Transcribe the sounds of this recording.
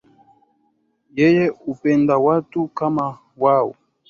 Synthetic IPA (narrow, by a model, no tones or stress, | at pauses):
jɛjɛupɛndawatukama | wawo̰